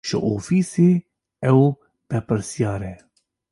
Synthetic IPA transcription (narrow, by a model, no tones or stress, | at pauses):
ʒɪ̰ʔoːfiːseː | ɛw | b̥ɛpɨɾsijɑːɾɛ